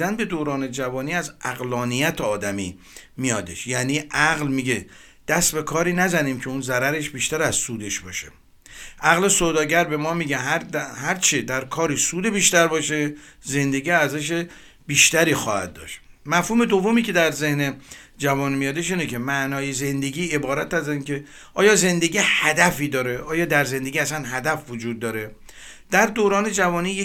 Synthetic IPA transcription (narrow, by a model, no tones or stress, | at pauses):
ænbe̞d̪oːɾɒːne̞d͡ʒævɒːniːæzʔæɣlɒːnijæt̪ʰeɒːd̪æmḭː | mijɒːd̪e̞ʃjæːniːʔæɣlmiːɟe | d̪̥æst̪be̞kʰɒːɾiːnæzæniːmcʰe̞unzæɾæɾe̞ʃbiːʃt̪æɾæzsuːd̪e̞ʃbɒ̰ːʃḛ | ʔæɣle̞soːd̪ɒːɟæɾbe̞mɒːmiːɟe̞ɦæhæɾt͡ʃʰed̪æɾkʰɒːɾiːsuːd̪ebiːʃt̪æɾbɒːʃe | ze̞nd̪e̞ɡiːæɾzæʃ̬e | b̥iːʃt̪æɾiːxɒ̰ːhæ̰d̪̚ːɒ̰ːʃt̪mæfhuːme̞d̪ovːo̞miːcʰe̞d̪æɾzehne̞ | d͡ʒævɒːnmijɒːd̪eʃiːnecʰe̞mæʔnɒːjeze̞nd̪e̞ɡʲiːe̞bɒːɾæt̪æziːnkʰe̞ | ʔɒːjɒːze̞nd̪e̞ɡiːhæd̪æfiːd̪ɒːɾe̞ʔɒːjɒːd̪æɾze̞nd̪eɡiːæsænɦæd̪æfvod͡ʒuːd̪̚ːɒːɾe̞ | d̪̥æɾd̪oɾɒːne̞d͡ʒævɒːniːje